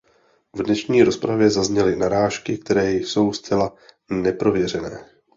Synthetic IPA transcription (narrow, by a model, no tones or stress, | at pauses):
vdnɛʃɲiːɾo̞spɾavjɛzazɲɛlɪnaɾaːʃkɪk̚t̪ɛɾɛːso̞wst͡sɛla | nɛpɾo̞vjɛr̝ɛnɛː